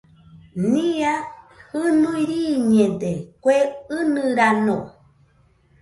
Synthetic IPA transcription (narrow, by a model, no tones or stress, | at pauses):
nĩa | ɨnuiɾiɲẽd̪ekʷeɨnɨ̃ɾano